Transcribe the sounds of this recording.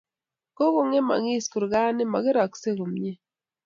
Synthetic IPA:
ko˦ɣo˨ŋe˦ma̰˨ŋi˦sku˨ɾɡa˦ne˦ma˨ɣe˦ɾa˨kse˦ɣo˨mɲe˦

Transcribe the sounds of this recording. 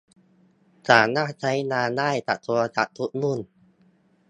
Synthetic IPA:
saː˨˩˦naː˥˩t͡ɕʰa˦˥jnaː˧naː˥˩jt̪a̰˨˩ʔ̚t̪ʰuː˧t͡ɕa̰˨˩ʔt̪ʰu˦˥t̪̚nu˥˩˨n

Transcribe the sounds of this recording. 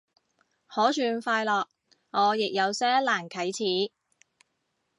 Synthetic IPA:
hɔː˨˥t͡ʃʰyː˨˧nfaː˧jlɔː˨k̚ | ŋɔː˨˧jɪ˨k̚jɐ˨˧wsɛː˥laː˨˩nkʰɐ˨˥jt͡sʰiː˨˥

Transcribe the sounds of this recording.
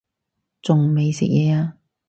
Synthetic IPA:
t͡sʊ˨ŋme˨jsɪ̰˨k̚jɛː˨˧aː˧

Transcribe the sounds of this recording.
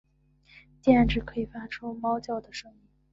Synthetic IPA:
t͡ɕjɛ˥˩˥nʈ͡ʂɻ̩˥˩kʰɤ˧˥i˨˩fa˥ʈ͡ʂʰu˥mɑ˥ʊt͡ɕjɑ˥˩ʊd̪ə˩ʂɤ˥ŋmi˥˩ŋ

